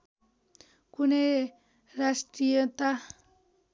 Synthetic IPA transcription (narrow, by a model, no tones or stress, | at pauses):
kune | ɾast̪ɾiət̪a